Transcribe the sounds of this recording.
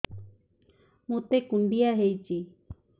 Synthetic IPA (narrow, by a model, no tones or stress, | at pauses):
mũt̪ekuɳɖiaɦejt͡ʃi